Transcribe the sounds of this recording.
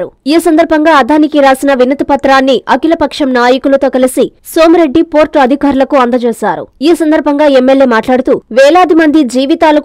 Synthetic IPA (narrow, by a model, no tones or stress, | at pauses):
ɾuiːsɐnd̪ɐɾbʱɐŋɡaːɐd̪ʱaːnikiɾaːsinɐʋinɐt̪ɐpɐt̪ɾaːnːiʔɐkilɐpɐkʂɐmnaːjɐkulɐt̪o̞ːkɐlisi | so̞ːmɾe̞ɖːipo̞ːɾʈːɐd̪ʱikaːɾulɐkuɐnd̪ɐt͡ʃuːsaːɾṵiːsɐnd̪ɐɾbʱɐŋɡaːemːelje̞ːmaːʈlaːɽut̪uːʋɛːlaːd̪imɐnd̪id͡ʒiːʋit̪aːlɐk